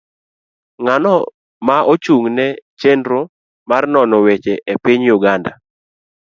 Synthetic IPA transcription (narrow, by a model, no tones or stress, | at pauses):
ŋanɔ | maot͡ʃuŋnɛt͡ʃendɾo | marnɔnɔwet͡ʃeʔepiɲjuɡanda̰